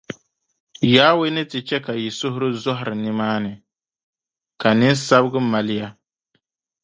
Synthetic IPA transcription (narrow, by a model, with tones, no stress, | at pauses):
jaː˦we˦nɨ˦tɨ˨t͡ʃɛ˦ka˨ji˨sʊ˦ɦʊ˦ɾɨ˦zɔ˦ɦʊ˨ɾɨ˨nɨ˦maː˦nɨ˨ | ka˨nɪ˦nsa˦bɨ˦ɡɨ˦ma˨lɪ˦ja˦